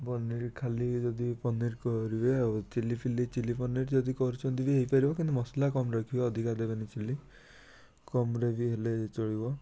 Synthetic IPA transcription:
bɔniɾkʰalid͡ʒɔd̪ipɔniɾkɔɾibebt͡ʃilipʰilit͡ʃilipɔniɾd͡ʒɔd̪ikɔɾut͡ʃʰɔnt̪ibiɦeipaɾibɔkĩnt̪umɔslakɔmɾakʰibɔːd̪ʱikad̪ebanit͡ʃili | kɔmɾebʱiɦelet͡ʃɔɽibɔ

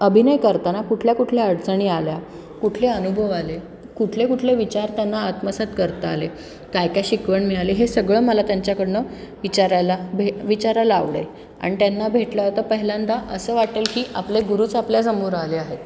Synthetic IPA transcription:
əbʱinəjkəɾt̪anakuʈʰljakuʈʰleəɽt͡səɳ̃iːalja | kuʈʰleənubʱəʋale | kuʈʰlekuʈʰleʋit͡ɕaɾt̪janːaːt̪məsat̪kəɾt̪əale | kajkajɕikʋəɳmialeɦesəɡɭəːməlat̪jaɲt͡ɕjakəɽnəʋit͡ɕaɾalabʱeʋit͡ɕaɾalaa̰ʋɽə̰j | a̰ɽ̃it̪janːabʱeʈləɦət̪əpəɦiljãnd̪aʔəsəːʋaʈelkiːʔapleɡuɾuːt͡sapljad͡zəmuːɾaleaɦe

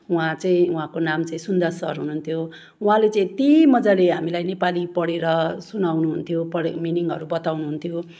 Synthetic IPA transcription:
uɦãt͡sʌĩũɦãkonamt͡sʌĩsund̪ʌrsʌɾɦununt̪ʰjo | uɦãlet͡sʌĩt̪imʌd͡zaleɦamilajnepalipʌɽeɾʌsunawnuɦunt̪ʰjopʌɽminiŋɡʌɾubʌt̪awnuɦunt̪ʰjo

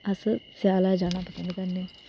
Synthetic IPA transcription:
əssjaːlaːd͡ʒaːɽ̃aːpəsə̃nd̪kəɾneː

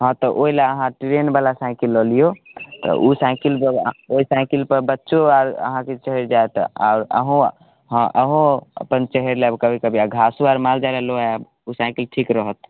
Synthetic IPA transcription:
ɦɔ̃t̪ɔʔoilaəɦãʈiɾenbalasãɪ̃kilːɔlijot̪ɔ̰ʔusãɪkilpəoisãɪkilpəɾbətːʃoaɾə̰ɦãket͡ʃəɦəɾd͡ʒaet̪a̰ʊɾə̰ɦũ | ɦãʔəɦũə̰pənt͡ʃəɦeɾleəbkəbʱikəbʱiaɡʱasuaɾmald͡ʒalɛloɛab | usãɪkilʈʰikɾəɦət̪̚

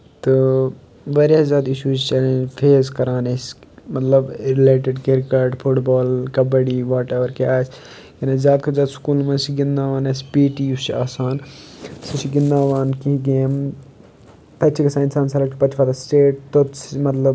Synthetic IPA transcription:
t̪ɨ | ʋɐɾjaːzʲaːd̪iʃuːt͡ʃt͡ʃɐlẽfʰeːzkɐɾaːnesmɐt̪lɐbɾɪleːʈeɖkeɾkaɾʈfʰuʈboːlkɐbɐɽiːʋaːʈeʋɐɾkeaːs | jɐnezjaːd̪̚kɐzʲjaːd̪skuːlmɐnsiɡɪnd̪aːʋaːnespiːʈiut͡ʃʰiaːsaːnsit͡ʃʰiɡɪnd̪aːʋaːnkiɦiɡeːm | t̪ɐt͡ʃʰikɐsaːɪnsaːnsɐlɐkipɐt̪ʰfʰaːt̪asʈeːʈ̚t̪omɐt̪lɐb

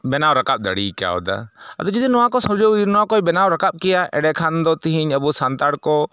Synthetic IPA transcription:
bɛnawɾakap̚d̪əɽika̰wɔ̰d̪a̰ə̰d̪ɔd͡ʒid̪inɔwakɔsɔd͡ʒoinɔwakɔɛbɛnawɾakap̚kɛjaʔɛɖɛkʰand̪ɔt̪iɦiɲəbusant̪aɽkɔ

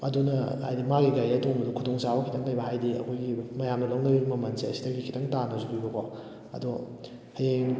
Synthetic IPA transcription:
ɐdunɐha̰jdimaɡiɡajɐtoŋbɐdukʰutʰoŋt͡ʃabɐkʰitʰɐŋlɐjbɐɦajdiɐ̰kʰojɡimɐjamdɐlawnɐbibɐmɐmɐnseɐsidɐɡikʰitʰɐŋtanɐzubibɐkʰo | ɐ̰du | hɐjeŋ

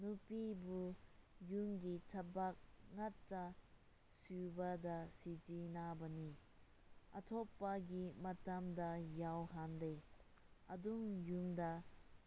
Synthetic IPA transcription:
nupibujumɡitʰɐbak̚ŋatːɐ | subɐdɐsid͡ʒinabɐni | ɐtʰɔpːɐɡimɐtɐmdɐjawɦande | ɐduŋjumdɐ

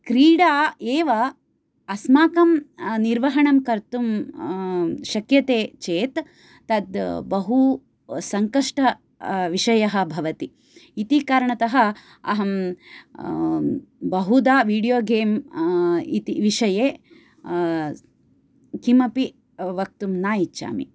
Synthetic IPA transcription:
kɾiːɽaːeːʋɐː | smaːkɐmniɾʋɐɦɐɳɐmkɐɾt̪um | ʃɐkjɐt̪eːt͡ʃeːt̪ː | ɐd̪bɐɦu | sɐŋkɐʂʈɐ | ʋiʂɐjɐɦɐ̆bʱɐʋɐt̪i | it̪ikaːɾɐɳɐt̪ɐɦɐ̆ | ɐ̰ɦɐm | bɐɦud̪aːʋiːɽijoːɡeːm | it̪iʋiʂɐjeː | kimɐpi | ʋɐk̚t̪umnaːjit͡ʃːʃa̰ːmḭ

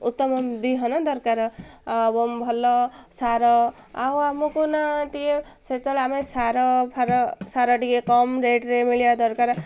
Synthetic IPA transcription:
ut̪ːʌmʌbiɦʌnʌd̪ʌɾkaɾbombʱʌlːɔsaɾɔ | awamukunaʈije | set̪ɔlamesaɾɔpʰaɾɔsaɾɔʈiekɔmɾeɖɾemiljad̪ʌɾkaɾ

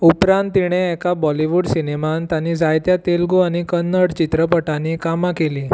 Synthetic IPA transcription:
upɾãnt̪ːiɽ̃eɛkabɔliʋuɖsinemant̪janid͡zajt̪jat̪elɡuaɽ̃ikənːəɽt͡ɕit̪ɾəpəʈanikamakeliː

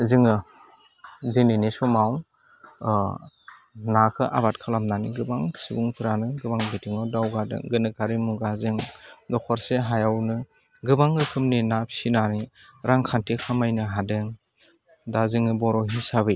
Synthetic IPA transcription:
zɯŋɯ | dininisɔmaw | nakʰɯʔa̰batkʰalamnaniɡɯbaŋsibuŋpʰɯɾanɯɡɯbaŋbetiŋɔdawɡadɯ̰ŋɡɯnɯkʰaɾimuɡazɯŋdɔkʰɔɾseɦajawnɯ | ɡɯbaŋɾɯkʰɯmninap̚sinaniɾaŋkʰantekʰamajnɯɦadeŋ | dazɯŋɯbɔɾɔɦisabɯj

